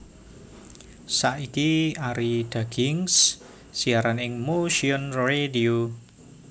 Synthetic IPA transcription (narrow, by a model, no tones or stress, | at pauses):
saʔikiaɾid̪̥a̤ɡ̥ɪŋsː | iaɾanɪŋmoʃiɔnredio